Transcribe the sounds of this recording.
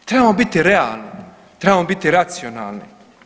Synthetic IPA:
t̪ɾebamobit̪iɾea̰ːlni | t̪ɾebamobit̪iɾat̪siona̰ːlˠni

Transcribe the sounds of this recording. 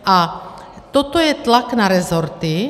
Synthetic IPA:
ʔa | t̪ɔt̪ɔjɛt̪laknaɾɛzɔɾt̪i

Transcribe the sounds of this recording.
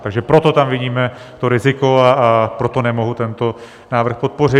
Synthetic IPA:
t̪aɡʒɛpɾo̞t̪o̞t̪amvɪɟiːmɛ | t̪o̞ɾɪzɪko̞apɾo̞t̪o̞nɛmoɦut̪ɛnt̪o̞ | naːvr̩xpo̞t̪̚po̞r̝ɪ

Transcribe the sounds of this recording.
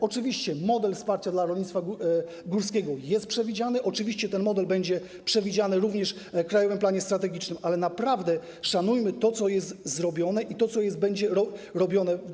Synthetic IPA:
ɔt͡ʂɘvʲiɕt͡ɕɛmɔd̪ɛlfspaɾt͡ɕad̪laɾɔlɲit̪t̪fa | ɡuɾskʲɛɡɔjɛst̪̚pʂɛvʲid͡ʑanɘʔɔt͡ʂɘvʲiɕt͡ɕɛt̪ɛnmɔd̪ɛlbɛɲd͡ʑɛ | pʂɛvʲid͡ʑanɘɾuvɲɛʂ | kɾajɔvɘmplaɲɛst̪ɾat̪ɛɡʲit͡ʂnɘmʔalɛnapɾavd̪ɛ | ʂanujmɘt̪ɔt̪sɔjɛst̪zɾɔbʲjɔnɛʔit̪ɔt̪sɔjɛst̪̚bɛɲd͡ʑɛɾɔɾɔbʲjɔnɛ

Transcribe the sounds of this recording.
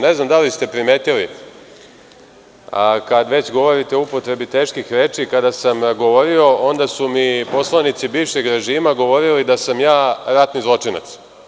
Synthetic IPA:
ne̞znamd̪alist̪e̞pɾime̞ːt̪ili | akad̪ʋe̞t͡ɕɡo̞ʋo̞ɾit̪eupot̪ɾe̞bit̪e̞ːʃkixɾe̞ːt͡ʂikad̪asamɡo̞ʋo̞ɾio̞o̞nd̪asumipo̞slˠanit̪sibiːʋʃe̞ɡɾe̞ʒiːmaɡo̞ʋo̞ɾilid̪asamjaːɾat̪nizlˠo̞t͡ʂina̰t̪s

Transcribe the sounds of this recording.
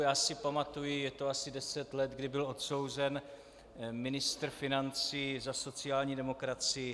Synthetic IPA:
jaːsɪpamat̪ujɪjɛt̪o̞asɪdɛsɛt̪lɛt̪ɡdɪbɪlo̞t̪so̞wzɛn | mɪnɪst̪ɾ̩fɪnant͡siːzaso̞t͡sɪjaːlɲiːdɛmo̞kɾat͡sɪ

